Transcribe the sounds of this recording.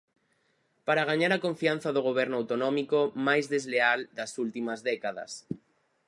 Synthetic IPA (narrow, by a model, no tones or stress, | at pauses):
paɾaɣ̞aɲaɾakõɱfian̟θaðoɣ̞oβ̞ɛɾnʊawt̪onɔmikomajzðezleald̪asult̪imazðɛkaðɐ̰s